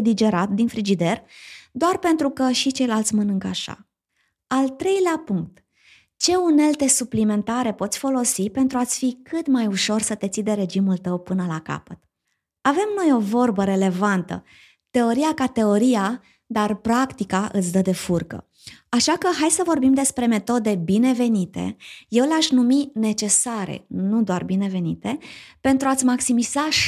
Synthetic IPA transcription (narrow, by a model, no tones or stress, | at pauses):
d̪id͡ʒe̞ɾat̪̚d̪infɾid͡ʒid̪e̞rd̪oarpe̞nt̪ɾukəʃit͡ʃe̞jlalt̪sʲmənɨŋkəaʃa̰ | alt̪ɾe̞jleapuŋk̚t̪ | t͡ʃe̞une̞lt̪e̞suplime̞nt̪aɾe̞po̞t̪sʲfo̞lo̞sipe̞nt̪ɾuat̪sʲfikʰɨt̪majuʃo̞rsət̪e̞t̪sid̪e̞ɾe̞d͡ʒimult̪əwpɨnəlaka̰pət̪ | ave̞mno̞jo̞vo̞rbəɾe̞le̞vant̪ə̰ | t̪e̞o̞ɾiakat̪e̞o̞ɾija | d̪arpɾakt̪ikaʔɨt̪sʲd̪əd̪e̞furkə̰ | aʃakəɦajsəvo̞rbimd̪e̞spɾe̞me̞t̪o̞d̪e̞bine̞ve̞nit̪e̞̰je̞wleaʃnumine̞t͡ʃe̞saɾḛnud̪oarbine̞ve̞nit̪e̞pe̞nt̪ɾuat̪sʲmaksimiz̥a